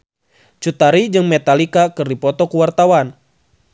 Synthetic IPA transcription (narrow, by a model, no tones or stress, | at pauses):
t͡ʃut̪aɾid͡ʒɨŋmɛt̪alikakɨrdipɔt̪ɔkuwart̪awan